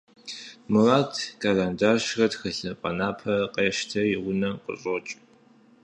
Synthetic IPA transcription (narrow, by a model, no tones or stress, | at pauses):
mɨraːtʰkʰaːlaːndaːʃrɐtxɐɬɨqʼɐnaːpʰɐqʼeːʃtʰɐjɪʁʷʊnɐqʼʊ̰ɕʼot͡ʃʼ